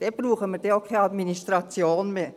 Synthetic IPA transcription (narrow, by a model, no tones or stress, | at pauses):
d̥ɛb̥ruːχəməɾd̥ɛokʰɛɑd̪ministʁɑt͡sjoːnmeː